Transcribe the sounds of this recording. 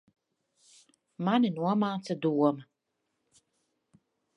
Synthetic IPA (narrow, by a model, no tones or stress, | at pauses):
maninuɔmaːt̪sad̪uɔmɐ